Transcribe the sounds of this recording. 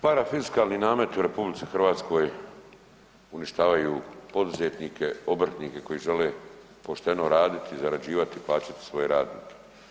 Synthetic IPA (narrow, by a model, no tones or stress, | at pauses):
paɾafiskaːlˠninaːme̞t̪uɾe̞publit̪sixr̩ʋaːt̪sko̞j | uniʃt̪aːʋajupo̞d̪uzet̪nikʰe̞o̞br̩t̪nike̞ko̞jiʒe̞le | po̞ʃt̪e̞noɾaːd̪it̪izaɾad͡ʑiːʋat̪iːplˠaːt͡ɕat̪i̥sʋo̞je̞ɾaːd̪nḭːkʰe̥